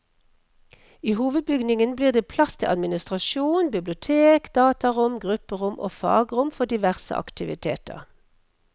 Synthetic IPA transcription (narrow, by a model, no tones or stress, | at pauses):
iːhuːʋəd̪̚bʏɡnɪŋənbliːʁd̪eːpʰlɑst̪ʰɪʔɑd̪mɪnɪst̪ʁɑʃuːnbɪblʊt̪ʰeːkd̪̥ɑːt̪ɑʁʊmɡʁʉpəʁʊmʔo̰ːfɑ̰ːɡʁʊmfɔd̪ɪʋæʁsə̰ʔɑ̰kt̪ɪʋɪ̰t̪ʰḛːt̪ə̰ʁ